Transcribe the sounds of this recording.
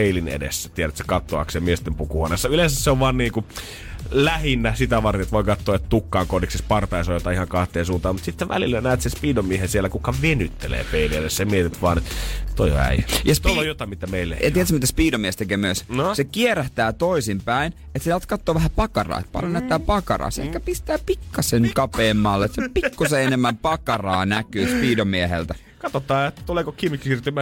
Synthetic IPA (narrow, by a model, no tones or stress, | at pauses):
eilinḛdḛsːæt̪ieɾæt̪sekɑt̪ːoɑ̰kseːmiest̪empukuhonesːɑylẽnsæsseoʋʋɑːnniːku | læhinːæsit̪æʋɑrt̪enet̪ʋoikɑt̪ːoːet̪t̪ukːɑːŋkoniksespɑrt̪ɑisojot̪ɑihɑŋkɑht̪eːnsuːnt̪ɑːmut̪sit̪ːeʋʋæ̰lilːænæːt̪sespiːdomːiehesielːækukːɑʋenyt̪ːelḛːpeilielessemiet̪it̪ʋɑːnet̪t̪o̰io̰æ̰ijɑsoojot̪ɑˑmit̪æmeilːḛɑt̪iet̪smit̪æspiːdomiest̪ekeːmyøsnosekieræht̪æːt̪oisimpæin | et̪seɑlt̪kɑt̪ːoːʋæhæpɑkɑrɑ̰ːḛt̪̚pɑ̰ljonæˑt̪ːæːpɑkɑ̰rɑ̰ːsḛhkːæpist̪æːpikːɑseŋkɑpeːmmɑlːet̪sɑpikːuseenemːæmpɑkɑrɑːnækyːspiːdomiehḛlt̪æ | kɑt̪ot̪ɑːet̪ːæt̪uleˑkokimːiksirt̪ymæ